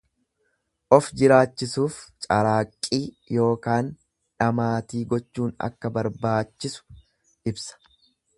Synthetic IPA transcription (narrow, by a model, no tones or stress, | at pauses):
ʔɔfd͡ʒɪɾaːt͡ʃːɪsuːft͡ʃʼɐɾaːkʼːiː | jo̞ːkaːn | ᶑɐmaːt̪iːɡɔt͡ʃːuːnɐ̰kːɐbɐɾbaːt͡ʃːɪsʊ̥ | ʔɪbsɐ̥